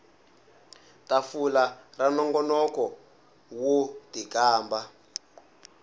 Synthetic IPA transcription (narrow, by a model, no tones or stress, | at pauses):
tafularanɔŋɡɔnɔkɔ | wotikaːmba